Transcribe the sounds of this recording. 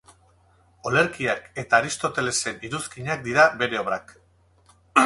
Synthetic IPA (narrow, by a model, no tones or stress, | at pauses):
o̞le̞ɾkiake̞t̪aːɾist̪o̞t̪e̞le̞se̞niɾuskiɲak̚d̪iɾabe̞ɾe̞oβɾak